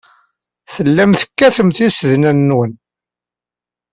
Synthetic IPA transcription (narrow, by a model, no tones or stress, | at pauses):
θəlːæmθə̥kːæθəmθisəðnænːwən